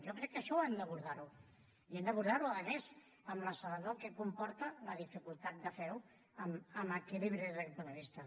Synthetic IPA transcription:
ʒɔkɾɛkːəʃɔɛnd̪əβuɾðaɾu | iɛnd̪əβuɾðaɾuəðəmɛz | əmləsələnokɛkumpɔɾt̪ələðifikulˠt̪at̪̚d̪əfɛɾu | əməməkeliβɾezðəkɛt̪̚pund̪əβist̪ə

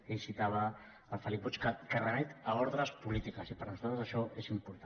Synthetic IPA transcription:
esit̪aβəː | lˠfəlik̚but͡ʃkəkərənɛt̪aoɾðɾəspulit̪ikəsipəɾnuzalt̪ɾəzəʃɔezimpuɾt̪a

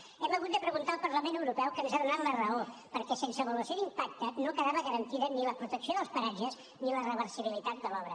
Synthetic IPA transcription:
ɛmbəɣut̪d̪əpɾəɣunt̪aːlˠpəɾləmenəwɾupɛwkənezaðunalərəopəɾkɛsensəβəluəsjoðimpak̚t̪ənokəðaβəɣəɾənt̪iðəniləpɾut̪əksioðəlˠspəɾaʒəz | nilərəβ̞əɾsiβilit̪at̪̚d̪əlɔβɾə

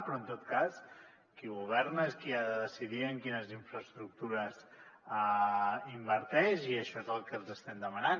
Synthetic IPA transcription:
pɾɔənt̪ot̪kas | kiɣuβɛɾnəskiaðəðəsiðiəŋkinəziɱfɾəst̪ɾuk̚t̪uɾəz | əimbəɾt̪ɛʃiəʃɔezəlˠkəlzəst̪ɛmd̪əmənan

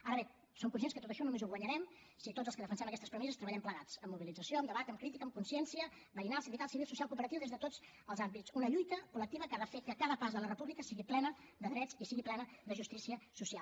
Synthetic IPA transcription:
aɾəβe | soŋkunsienskət̪ot̪əʃɔnumezuɣwəɲəɾɛm | sit̪odd͡zəlskəðəfənsɛməkɛst̪əspɾəmɛsəst̪ɾəβəʎɛmpləɣat͡səmːuβilid͡zəsioəmd̪əβat̪əmkɾit̪ikəmkunsiɛnsiə | bəɾinalˠsimdit̪alˠsiβilˠsusialˠkuːpəɾət̪iwðezðət̪od͡z | əlˠzambit͡sunəʎujt̪əkulək̚t̪iβəkaðəfekəkaðəpazðələrəpuβlikəsiɣiplɛnəðəðɾɛd͡zisiɣiplɛnəðəʒust̪isiəsusialˠ

